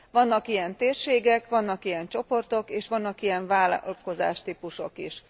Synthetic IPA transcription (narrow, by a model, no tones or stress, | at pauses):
ʋɒnːɒkijɛnt̪eːrʃeːɡɛkʋɒnːɒkijɛnt͡ʃo̞po̞rt̪o̞keːʃʋɒnːɒkijɛɱvaːl̰lko̞za̰ːʃt̪iːpuʃo̞̰kiʃ